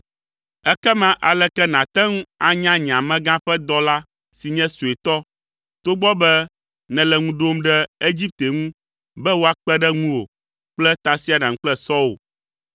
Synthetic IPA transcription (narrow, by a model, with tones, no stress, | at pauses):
ɛ˦kɛ˦mã˦ʔa˨lɛ˦kɛ˦nã˨t̪ɛ˦ŋũ˦a˦ɲã˦ɲ˨ã˨mɛ̃˦ɡã˦ɸɛ˦d̪ɔ˦la˦ | si˨ɲɛ̃˦su˨e˨t̪ɔ˦ | t̪o˦ɡ͡bɔ˦bɛ˦ | nɛ̃˨lɛ˨ŋũ˦ɖo˦mɖɛ˦e˦d͡ʑi˦p̚t̪e˨ŋũ˦ | bɛ˦wo˦a˦k͡pɛ˦ɖɛ˦ŋũ˦wo̰˨ | k͡plɛ˦t̪a˨si˦a˨nã˨ŋ̩ũ˦k͡plɛ˦sɔ˦o̰˨